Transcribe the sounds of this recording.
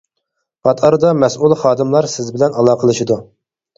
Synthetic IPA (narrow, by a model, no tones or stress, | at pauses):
pʰɑt̪ɑɾd̪ɑmɛsulˠχɑːd̪ɨmlˠɑɾsɪzbɪlɛnɑlˠɑːqʰəlˠɨʃɨd̪u